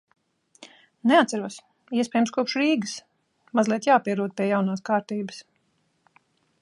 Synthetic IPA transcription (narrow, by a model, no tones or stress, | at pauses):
nɛat̪saɾuɔs | iɛsʲpʲɛːjəmskuɔpʃɾiːɡɨs | mazlˠiɛt̪jaːpiɛɾuɔd̪̚pʲiɛjawnaːskaːɾt̪iːbəs